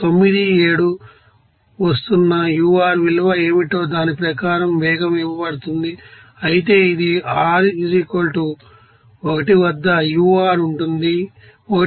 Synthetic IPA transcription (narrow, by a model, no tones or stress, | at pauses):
t̪o̞mːid̪ie̞ːɽu | ʋɐst̪unːɐjuːaːɾʋilɐʋɐe̞ːmiʈo̞ːd̪aːnipɾɐkaːɾɐmʋɛːɡɐmiʋɐpɐɽut̪und̪i | ɐjit̪̬e̞ːid̪iaːɾid͡ʒikolʈu | ɔkɐʈiʋɐd̪ːɐjuːaːɾuɳʈund̪i | ɔkɐ